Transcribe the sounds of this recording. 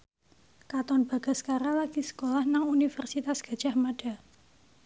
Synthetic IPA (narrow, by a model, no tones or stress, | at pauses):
kat̪ɔnb̥a̤ɡ̥a̤skaɾalaɡ̥isə̥kolahnaŋunifərsit̪asɡ̥a̤̥ʒ̥a̤hmaɖ̥a̤